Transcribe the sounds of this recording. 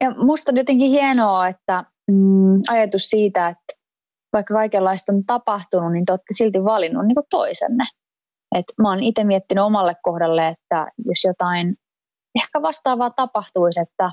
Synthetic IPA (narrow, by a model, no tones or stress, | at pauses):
jɑmust̪onjot̪eŋkihienoːet̪ːæ | ɑjɑt̪ussiːt̪æet̪ | ʋɑikːɑkɑikelːɑist̪ont̪ɑpɑht̪ununint̪eoːt̪ːesilt̪iʋʋɑlinːunniːŋkut̪t̪o̰isḛnːe | et̪moːnit̪emiet̪ːinyomɑlːekkohdɑlːeet̪ːæjosjot̪ɑin | ehkæʋɑst̪ɑːʋɑːt̪ɑpɑht̪uiset̪ːæ